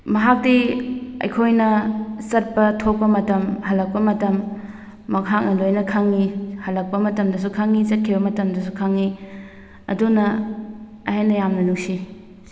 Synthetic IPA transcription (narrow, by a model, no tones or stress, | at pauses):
mɐɦak̚diɐ̰jkʰojnɐsɐt̚pɐtʰok̚pɐmɐtɐmhɐlɐk̚pɐmɐtɐmː | ɐkɦak̚nɐlojnɐkʰaŋːihɐlɐk̚pɐmɐtɐmdɐs̬ukʰaŋit͡ʃɐt̚kʰibɐmɐtɐmdɐsukʰaŋːi | ɐ̰dunɐ | ɐɦenɐjamnɐnuk̚si